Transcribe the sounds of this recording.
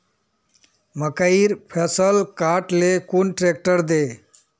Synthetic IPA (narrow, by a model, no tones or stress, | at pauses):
məkəiɾpʰesəlkaɾʈlekunʈɾek̚ʈəɾd̪e